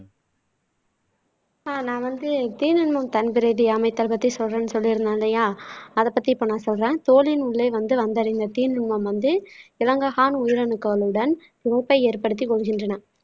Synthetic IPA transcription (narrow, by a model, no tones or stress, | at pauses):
aːnãːʋɐnd̪ɯt̪iːnɯɳmɐmt̪ɐnbɪɾɐɪðiɐmɐɪt̪ːɐlpɐt̪ːisɔlrẽːnːɯsɔlːɪɾɯnd̪aːnlɐjaːɐðɐpːɐt̪ːipːɐːnãːsɔlrẽːt̪oːlɪnʊɭːɐɪʋɐnd̪ɯʋɐnd̪ɐɾɪnd̪ɐt̪iːnɪɳmɐmʋɐnd̪ɯɪlɐŋɡɐɣaːnʊjɪɾɐnɯkːɐlɯɽɐn | ɪʋɐpːɐɪeːɾpɐɽɯt̪̬ːikːɔɭːɯɣɪndrɐnɐ